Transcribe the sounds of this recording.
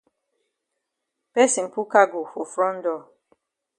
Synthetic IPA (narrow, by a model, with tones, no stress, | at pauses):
pɛ˦sĩ˨pu˦ka˦ɡo˨fo˨fɾɔ̃˦n̩˦dɔ˦˨